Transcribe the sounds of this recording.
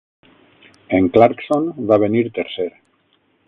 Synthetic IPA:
eŋklaɾksonβaβeniɾt̪eɾseɾ

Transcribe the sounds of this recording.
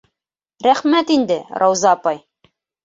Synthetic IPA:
ɾæχmæt̪ind̪ɘɾʔɑwzɑːpɑj

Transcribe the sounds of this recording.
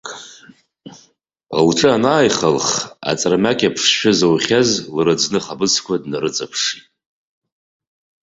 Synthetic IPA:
ə̰lʈ͡ʂʼɨanaːjχalχa̰t͡sʼramakʲʼapʰʂʃᶣazawχʲazlrɨd͡znɨχabɨsʰkʷʰadnaɾɨt͡sʼapʰʂitʼ

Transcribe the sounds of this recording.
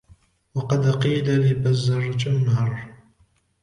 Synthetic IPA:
wɑqɑd̪qiːlalibazːɑɾˤd͡ʒʼʊnhɑrˤ

